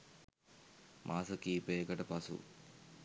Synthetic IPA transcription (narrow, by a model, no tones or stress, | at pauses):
mʔaːsɐkiːpeːkɐʈɐpɐsṵ